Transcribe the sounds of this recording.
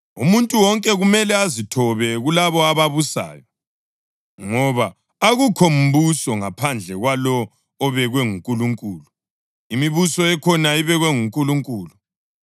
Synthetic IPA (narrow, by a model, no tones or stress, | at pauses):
ṵmuntʼuwɔŋkʼɛɣumɛlɛazitʰɔβɛɣulaβɔaβaβusa̰ːjɔ | ŋɔβa | aɣukʰom̩βusɔŋapʰand͡ɮʱɛɣwalɔː | βɛɣwɛŋuŋkʼuluŋkʼuːlu | imiβusɔɛkʰɔnaiβɛɣwɛŋuŋkʼuluŋkʼuːlu